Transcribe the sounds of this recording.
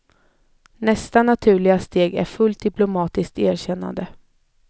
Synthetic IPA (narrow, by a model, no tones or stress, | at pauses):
nɛst̪anat̪ʰʉ̟ːɭɪɡast̪eːɡæ̰ɾfɵlt̪̚d̪ɪplʊmɑːt̪ɪsk̚t̪æːɾɕɛnːa̰nd̪ə